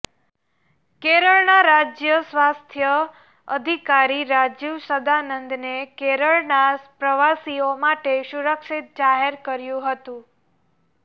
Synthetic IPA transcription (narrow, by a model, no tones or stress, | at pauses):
keɾəɭnaɾad͡ʒjəsʋast̪ʰjə | əd̪ʱikaɾiɾad͡ʒiʋsəd̪anənd̪nekeɾəɭnaspɾəʋasiomaʈeʃuɾəkʃit̪̚d͡ʒaɦeɾkəɾjũɦət̪ũ